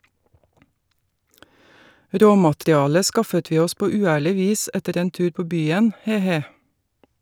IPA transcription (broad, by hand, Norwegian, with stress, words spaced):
ˈɾoːmɑtɾɪˌɑːlə ˈskɑfət ˈʋiː ˈɔs ˈpoː ʉːˈæːɭɪ ˈʋiːs ˈɛtəɾ ˈeːn ˈtʉːɾ ˈpoː ˈbyːən ˈheː ˈheː